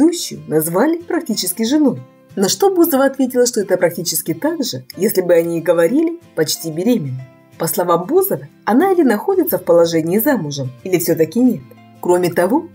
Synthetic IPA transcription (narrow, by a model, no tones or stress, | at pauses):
uɕːʊjʊ̰nɐzvalʲɪpɾɐk̚tʲit͡ɕɪskʲɪʐɨnuj | noʂt̪o̞buzəvəɐt̪vʲetʲɪlˠəʂt̪oɛt̪əpɾɐk̚tʲit͡ɕɪskʲɪt̪aɡʐɨjesʲlʲɪbɨɐnʲiɡəvɐɾʲilʲɪpɐt͡ɕtʲibʲɪɾʲemʲɪnːə | pəslˠɐvambuzəvəɐnaɪlʲɪnɐxo̞dʲɪt̪səfpəlˠɐʐɛnʲɪːzamʊʐəmilʲɪfsʲot̪ɐkʲɪnʲe̞t̪ | kɾo̞mʲɪt̪ɐvo̞